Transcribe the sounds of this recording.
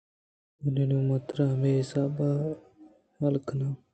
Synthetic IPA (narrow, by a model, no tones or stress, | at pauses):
uninumɐt̪ɾameisaːba | hɐlkʰna